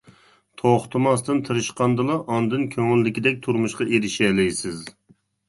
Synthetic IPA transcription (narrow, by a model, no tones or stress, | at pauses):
t̪ʰoχt̪ʰɨmɑst̪ɨnt̪ʰɨɾɨʃqɑnd̪ɨlˠɑʔɑnd̪ɨnkʲʰøŋɪlːɪkʲid̪ɛk̚ʲt̪ʰuɾmuʃqɑʔeɾɪʃɛlɪjsɪz